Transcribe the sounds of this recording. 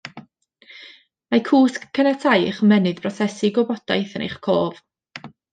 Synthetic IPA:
makʰuːskʰənɛtʰajχmɛnɨðbrɔsɛsɪɡɔbɔd̥ajθənʔḛjχkʰoːv̥

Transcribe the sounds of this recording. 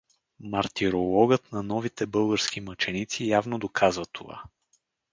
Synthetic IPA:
mɐɾt̪iɾolˠɔɡət̪nɐnɔvit̪ɛbɤlˠɡəɾskʲimət͡ʃɛnit̪sijavnod̪okʰazvət̪ʰova̰

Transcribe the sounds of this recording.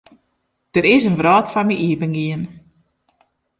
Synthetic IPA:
d̥əɾɪs̬ənʋrɔːtfanmiʔiəpəŋɡiən

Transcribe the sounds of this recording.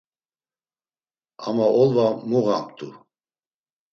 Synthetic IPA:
a̰maɔlvamuʁamt̪ʰʼu

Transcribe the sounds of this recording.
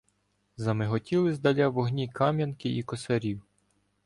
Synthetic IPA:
zɐmɪɦɔtʲilˠɪzd̪ɐlʲaʋɔɦnʲikʰɑmʲjɐnkɪʔikɔsɛɾʲiw

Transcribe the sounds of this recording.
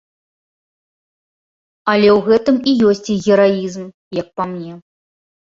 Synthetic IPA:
ɐlʲɛwɣɛt̪ɨmijɔsʲt͡sʲiɣʲɛɾaizm | jɐk̚pamnʲɛ

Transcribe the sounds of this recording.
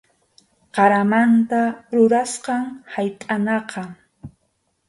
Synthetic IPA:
qɑɾamant̪aɾʊɾasqɑŋhajt̪ʼanɑqɑ

